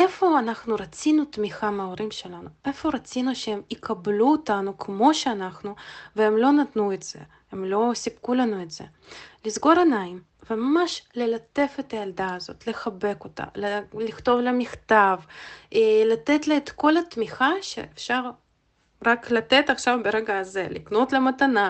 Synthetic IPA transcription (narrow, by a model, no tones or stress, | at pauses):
efo̞anaχnuɾat͡sinut̪miχameoɾimʃelanuefo̞ɾat͡sinuʃehemikʰabluot̪anukmo̞ʃeanaχnuveemlo̞nat̪nuetz̥ḛ | hemlo̞sibkulanuet̪z̥ḛ | lizɡo̞ɾanaim | vemamaʃlelat̪e̞fet̪ajald̪aːzo̞̰t̪leχabe̞ko̞t̪a̰lliχt̪o̞vlamiχt̪av | lat̪et̪laet̪ko̞lat̪miχaʃḛʔːfʃaʁ | ʁaklat̪et̪aχʃavbeɾeɡaːzelḭknot̪lemat̪ana